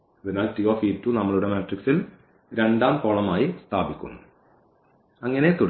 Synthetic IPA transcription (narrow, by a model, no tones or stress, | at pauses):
ɐðinaːltioːfiːtːunɐmːɐɭuɽemeːʈriksil | ɾe̞ɳɖaːmpoːɭɐmaːjist̪ʰaːbikʲːṵnːu | ɐŋːɐne̞t̪uɽ